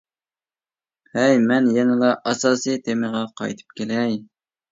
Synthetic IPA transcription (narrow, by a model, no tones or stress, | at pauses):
hɛjmɛnjɛnɨlˠɑʔɑsɑːsɨjt̪ʰemɨʁɑqʰɑ̰jt̪ʰɨ̥p̚kʲʰelɛj